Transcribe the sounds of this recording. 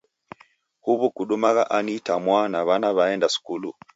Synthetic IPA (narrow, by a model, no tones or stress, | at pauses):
huβukuɗumaɣaʔanitamwanaβanaβaɛndasu̥kulu